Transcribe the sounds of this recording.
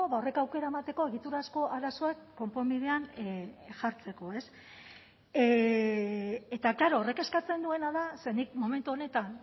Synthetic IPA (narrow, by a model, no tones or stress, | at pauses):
oβao̞re̞kawke̞ɾae̞mat̪e̞ko̞e̞ɣ̞it̪uɾasko̞ʔaɾaso̞e̞kːo̞mpo̞mbiðe̞an | ʝaɾt͡se̞ko̞e̞s | et̪aklaɾo̞ːre̞ke̞skat͡se̞nd̪ue̞naðase̞nik̚mo̞me̞nt̪uo̞ne̞t̪an